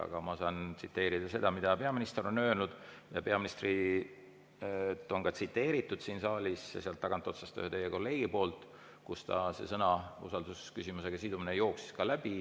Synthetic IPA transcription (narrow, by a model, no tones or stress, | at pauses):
ɑ̰ɡ̥ɑmɑsɑːnt̪sit̪ːe̞ːɾid̪̥ɑse̞d̪̥ɑmid̪̥ɑpe̞ɑminist̪eɾo̞nø̞ːlnud̪̥ | jɑpe̞ɑminist̪ri | t̪ːˑo̞ŋkɑt̪sit̪ːe̞ːɾit̪ːˑud̪̥siːnsɑːlʲisɑ̰seɑlt̪ːɑɡ̥ɑnt̪ːˑo̞t̪sɑst̪ø̰het̪e̞jeko̞lːe̞ːɡ̥ipo̞ːlt̪ˑ | kust̪ɑ̰se̞̰sɤnɑṵsɑld̪uskysʲimuse̞ɡ̥ɑsid̪uminejo̞ːksi̥skɑlæb̥i